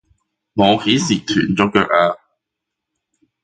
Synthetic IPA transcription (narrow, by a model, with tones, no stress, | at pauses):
ŋoː˨˧ke˨˥jsiː˨˩t̪ʰyː˨˩nt͡sɔː˨˥kœː˧k̚aː˧